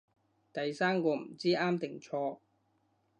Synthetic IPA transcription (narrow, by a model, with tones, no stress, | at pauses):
t̪ɐ˨jsaː˥mkɔː˧m̩˨˩t͡siː˥aː˥mt̪ɪ˨˩ŋt͡sʰɔː˧